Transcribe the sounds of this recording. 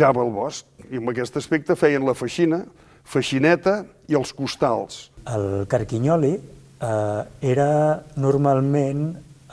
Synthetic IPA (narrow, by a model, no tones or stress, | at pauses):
aβəlˠβɔskiəmbəkɛst̪əspek̚t̪əfɛjənləfəʃinə | fəʃinɛt̪ə | iəlˠskust̪a̰lˠsəlˠkəɾkiɲɔli | eɾənuɾmalˠmen